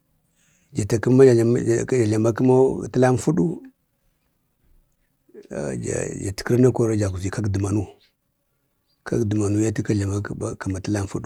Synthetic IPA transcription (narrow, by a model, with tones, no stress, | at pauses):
d͡ʒa˨ta˨ki˦ma˦˨˦d͡ʒa˨ɮa˨ma˦ki˦ma˦˨tə˦la˦m˦fu˦ɗu˦˨ | d͡ʒa̰˨d͡ʒa̰˨ti̥˨ki˦ɾna˦ko˦ɾa˦d͡ʒa˨ku˨zi˨ka˦kdi˨ma˨nu˦ | ka̰˦kdi˨ma˨nu˦ja˦ti˦ka˦ɮa˨ma˦ka˨ma˨ti˦la˦m˦fu˦ɗu˦